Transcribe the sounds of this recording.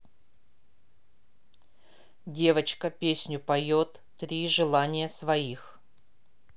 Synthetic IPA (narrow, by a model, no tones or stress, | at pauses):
dʲe̞vət͡ɕkəpʲesʲnʲʊpɐjot̪ːɾʲiʐɨlˠanʲɪjəsvɐix